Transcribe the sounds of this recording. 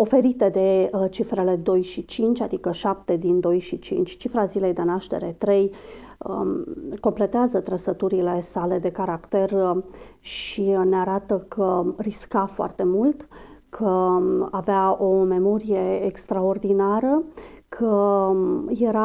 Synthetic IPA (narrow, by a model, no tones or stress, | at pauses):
o̞fe̞ɾit̪e̞d̪e̞t͡ʃifɾe̞le̞d̪o̞jʃit͡ʃint͡ʃʲad̪ikəʃap̚t̪e̞d̪ind̪o̞jʃit͡ʃḭnt͡ʃʲt͡ʃifɾazile̞jd̪e̞naʃt̪e̞̰ɾe̞t̪ɾe̞j | əko̞mple̞t̪eazət̪ɾəsət̪uɾile̞sale̞d̪e̞kaɾakt̪e̞r | ʃineaɾat̪əkʰəriskafoa̰rt̪e̞mult̪kʰəaveao̞me̞mo̞ɾije̞ːkst̪ɾao̞rd̪inaɾəkʰə | je̞ɾa